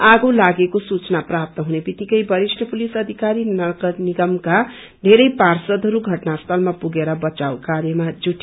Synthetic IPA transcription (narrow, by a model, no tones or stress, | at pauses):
aɡolaɡekosut͡snaprap̚t̪ʌɦunebit̪ikʌjbʌɾisʈʰʌpulisʌd̪ʱikaɾinʌɡʌniɡʌmka | d̪ʱeɾʌjparsʌd̪ʱɦʌɾuɡʱʌʈnast̪ʰʌlmapuɡeɾʌbʌt͡sawkaɾjʌmad͡zuʈʰːi